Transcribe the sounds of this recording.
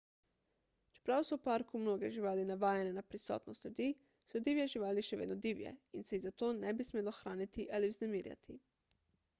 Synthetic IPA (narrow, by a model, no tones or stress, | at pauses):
t͡ʃɛ̥pɾawsɔwpaɾkumnoːɡɛʒiʋaːlinaʋaːjɛnɛnapɾisɔ̰ːt̪nɔst̪ʎʲjud̪iː | sɔd̪iːʋjɛʒiʋaːliʃɛʋḛːd̪nɔd̪iwjɛ̰insɛizat̪oːnɛbismeːlɔxɾaːnit̪iʔaliwznɛmiːɾja̰t̪ʰi